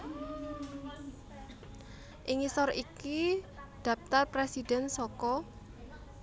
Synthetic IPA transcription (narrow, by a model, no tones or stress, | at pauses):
ʔɪŋisɔrikid̪̥ä̤p̚t̪arpɾesid̥ɛ̤nsɔkɔ